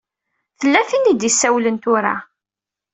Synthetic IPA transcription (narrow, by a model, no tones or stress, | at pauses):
θəlːæθinid̪isːæwlənt̪ʊɾa̰